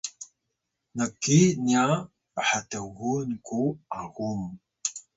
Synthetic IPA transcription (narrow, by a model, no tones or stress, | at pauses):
nəkːinia | pəħatəɣunkuʔaɣum